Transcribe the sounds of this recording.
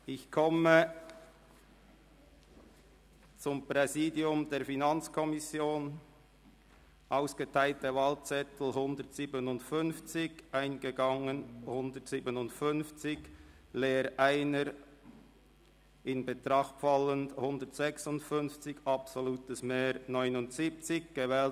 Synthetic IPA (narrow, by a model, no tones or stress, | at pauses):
ɪçkʰɔmə | t͡sʊmpʁɛziːdiʊmdeːɐfinɑnt͡skʰɔmɪsjoːn | ʔaʊsɡ̥ətʰaɪltəvɑːlt͡sɛtl̩ɦʊndətsiːbənʊndfʏnft͡sɪɡʔaɪnɡəɡɑŋənhʊndətsiːbənʊntfʏnft͡sɪɡ | leːɾʔaɪnəɾ | ɪnbətʁɑχtfɑləndhʊndətsɛksʊntfʏnft͡sɪçɑpsoluːtəsmeːɾnɔʏnʊntsip̚t͡sɪçɡ̥əvɛːl